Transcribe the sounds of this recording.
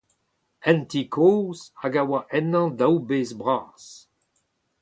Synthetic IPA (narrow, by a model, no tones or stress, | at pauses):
ɛ̃ntikʰoːzaɡawaʔɛnɑ̃dawbeːzbʁaːs